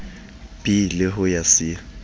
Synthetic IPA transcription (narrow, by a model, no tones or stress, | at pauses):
b̥ilɪɦʊjasɪ